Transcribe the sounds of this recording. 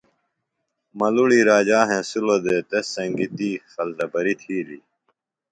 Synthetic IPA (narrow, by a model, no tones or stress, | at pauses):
mɐluɽiɾaːd͡ʑaːɦẽːsulod̪eːt̪esːɐŋɡit̪iːxɐlt̪ɐbɐɾit̪ʰiːliː